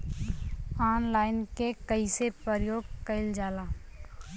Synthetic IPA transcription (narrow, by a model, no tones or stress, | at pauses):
aːnlaːɪnkekəisepəɾjoːɡkəɪld͡ʒaːlaː